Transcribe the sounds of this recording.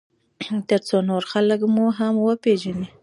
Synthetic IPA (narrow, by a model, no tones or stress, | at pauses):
t̪əɾt͡sonoɾxaləkmuɦamwəpeʒani